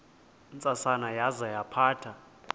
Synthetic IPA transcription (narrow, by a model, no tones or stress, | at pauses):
nt͡sʼasanajazajapʰaːtʰa